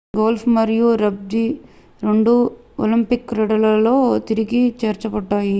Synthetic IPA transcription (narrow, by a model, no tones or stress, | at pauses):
ɡoːlpʰmɐɾjuɾɐb̚d̪i | ɾe̞ɳɖu | o̰limpikːɾɛɽɐlɐlo̞ːt̪iɾiɡit͡ʃeːɾt͡ʃɐbɐɖːaːji